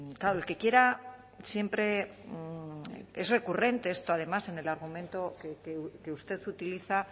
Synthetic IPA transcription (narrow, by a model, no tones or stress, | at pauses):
kaɾolke̞kje̞ɾa | sje̞mpɾe̞ | ezre̞kure̞nt̪e̞est̪oaðe̞mase̞ne̞laɾɣ̞umẽ̞nt̪o̞kekeke̞ust̪e̞θut̪iliθa